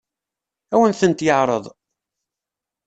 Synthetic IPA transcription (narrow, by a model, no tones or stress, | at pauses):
æwənθənt̪jəʕɾˤəðˤ